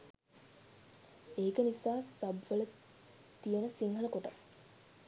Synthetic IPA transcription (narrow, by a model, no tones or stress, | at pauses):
eːkənisaːsɐbʋələ | t̪ijənəsiŋɦələkoʈas